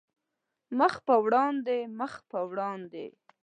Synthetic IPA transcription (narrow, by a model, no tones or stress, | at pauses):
məxpəwɽɑnd̪eməxpəwɽɑnd̪ḛ